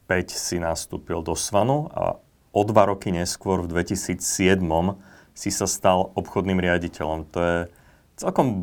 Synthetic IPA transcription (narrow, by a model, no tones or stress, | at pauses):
pɛcsinast̪ṵːpild̪ɔsʋanua̰ | ɔd̪ʋaɾɔkiɲɛskʊɔɾvd̪ʋɛcisiːt͡ssɪɛd̪mɔm | sisast̪alɔpxɔd̪niːmɾɪaɟicʰɛʎɔmt̪ɔjɛ | t͡sɛlkɔm